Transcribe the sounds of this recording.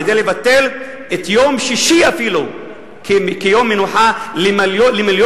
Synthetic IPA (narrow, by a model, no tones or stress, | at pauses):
ed̪ejlevat̪ːe̞l | et̪jomʃiʃiafilu | kekejomːenuħalmaljolemiljo